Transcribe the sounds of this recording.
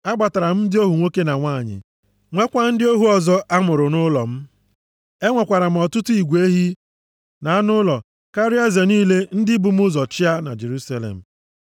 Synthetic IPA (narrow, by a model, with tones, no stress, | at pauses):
a˦ɡ͡ba˨ta˨ɾa˨m̩˦dɪ˦o˦ɦu˨ŋʷo˦ke˦na˨ŋʷaː˦˨ɲɪ̰˨ | ŋʷe˦kʷa˦n̩˦dɪ˦o˦ɦu˦ɔ˨zɔ˦ʔa˦mʊ˨ɾʊ˨nʊ˦lɔ̰˨m̩˦ | e˦ŋʷa˨kʷa˨ɾa˨m̩˨ɔ˨tʊ˦tʊ˦i˨ɡʷe˦ɦi˦ | na˨a˦nʊ˦lɔ˨ | ka˦ɾɪ˦a˦ze˨niː˦le˦n̩˦dɪ˦bʊ˨m̩˦ʊ˦zɔ˨t͡ʃɪ˦a˦na̰˨d͡ʒe˨ɾu˦sa˦lḛ˨m̩˨